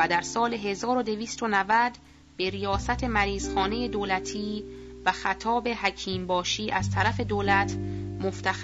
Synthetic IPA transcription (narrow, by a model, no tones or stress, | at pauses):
æd̪æɾsɒːle̞ɦe̞zɒːɾo̞d̪e̞viːst̪onævæd̪ | b̥e̞ɾijɒːsæt̪ʰe̞mæɾiːz̥xɒːne̞je̞d̪oːlæt̪ʰiː | væxæt̪ʰɒːbe̞ɦæcʰiːmbɒːʃiːʔæz̥t̪ʰæɾæfe̞d̪oːlæt̪ʰmoft̪ʰæx